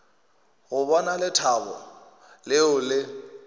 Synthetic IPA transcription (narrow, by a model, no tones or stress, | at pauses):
ɣʊbɔnalɪtʰabɔ̰ | lɪʊlɪ